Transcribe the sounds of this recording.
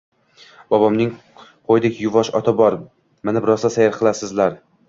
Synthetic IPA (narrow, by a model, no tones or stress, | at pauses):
b̥ɒbɒmnɪŋ | qʰojd̪ɪkʲjʊvɒʃɒt̪ʰabɒɾ | mɪnɪbɾɒsasajaɾqʰɨlˠasɪzlaɾ